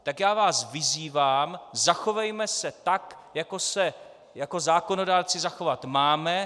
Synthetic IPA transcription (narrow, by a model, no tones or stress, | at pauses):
t̪akjaːvaːsvɪziːvaːmzaxo̞vɛjmɛsɛt̪ak | jako̞sɛ | jako̞zaːko̞no̞daːɾt͡sɪzaxo̞vat̪maːmɛ